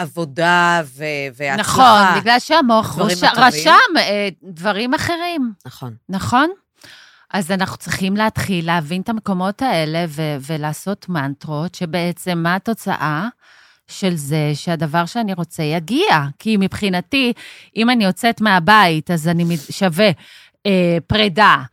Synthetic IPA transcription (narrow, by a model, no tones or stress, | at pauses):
avodaveveanaχo̞nbiɡlalʃeamoaχvʃmaʁaʃamedvaʁimaχe̞ʁimnaχonnaχo̞n | ʔazanaχnu̥t͡sʁiχimleatχilːeavintameko̞mo̞tae̞le̞veve̞laːso̞tmantʁotʃe̞be̞et͡se̞mːato̞t͡sa̰ʔa | ʃe̞lze̞ʃeadavaʁʃeaniʁo̞t͡sejaɡiakʰimipχinatiʔimanio̞t͡setmeabaitazanimiʃave̞ | epʁeda